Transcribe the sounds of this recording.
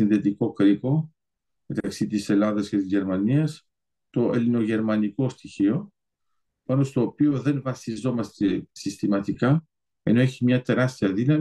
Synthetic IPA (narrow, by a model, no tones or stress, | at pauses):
inθet̪iko̞kɾipo̞ | me̞t̪ɐksit̪ise̞lɐðɐsce̞t̪izʝe̞ɾmɐniɐs | t̪o̞ʔḛlino̞ʝe̞ɾmɐniko̞st̪içio̞ | pɐno̞st̪o̞ːpio̞ðe̞nvɐsizo̞mɐst̪e̞sist̪imɐt̪ikɐ | e̞̰no̞eçimɲɐt̪e̞ɾɐst̪iɐðinɐm